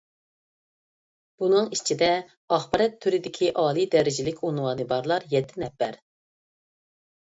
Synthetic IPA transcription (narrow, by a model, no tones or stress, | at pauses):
b̥unɨŋit͡ʃʰid̪ɛ | ɑχbɑɾɛt̪ʰːyɾɪd̪ɪkʲʰiʔɑːlˠid̪ɛɾɪd͡ʒɪlɪkʲunwɑːnɨbɑɾlˠɑɾjɛt̪ʰːɪnɛpːæɾ